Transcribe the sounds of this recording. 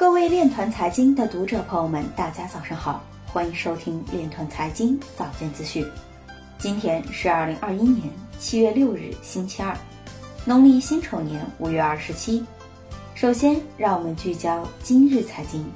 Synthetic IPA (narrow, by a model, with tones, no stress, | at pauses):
kɤ˥˧we˥˧ɪljɛ˥˩nt̪ʰwa˧˥nt͡sʰa˧˥ɪt͡ɕi˥ŋd̪ə˨t̪u˧˥ʈ͡ʂɤ˨˩pʰɤ˧˥˧mə˧˩nt̪a˥˩t͡ɕja˥t͡sɑ˨˩ʊʂɤ˥˩ŋxɑ˨˩˦ʊ | xwa˥ni˧˥ŋʂo˥ʊt̪ʰi˥ŋljɛ˥˩nt̪ʰwa˧˥nt͡sʰa˧˥ɪt͡ɕi˥ŋt͡sɑ˨˩ʊt͡ɕjɛ˥˩nt͡sɹ̩˥ɕy˥˩n | t͡ɕi˥nt̪ʰjɛ˥nʂɻ̩˥˧a˞˥˩li˧˥ŋʔɐ˥˧˩i˥njɛ˧˥nt͡ɕʰi˥ɥɛ˥˧ljo˥˧ʊɻɻ̩˥˩ɕi˥nt͡ɕʰi˥ɐ˞˥˩ | nʊ˧˥ŋli˥˩ɕi˥nʈ͡ʂʰo˧˥njɛ˧˥nu˨˩ɥɛ˥˧ɐ˞˥˩ʂɻ̩˧˥t͡ɕʰi˥ | ʂo˨˩ʊɕjɛ˥nɻɑ˥˩ŋwɔ˨˩mə˦nt͡ɕy˥˩t͡ɕjɑ˥ʊt͡ɕi˥nɻɻ̩˥˩t͡sʰa˧˥ɪt͡ɕi˥ŋ